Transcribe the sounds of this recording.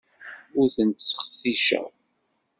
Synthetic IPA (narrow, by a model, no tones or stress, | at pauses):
ʊɾθənt̪sːə̥χθiʃæ̰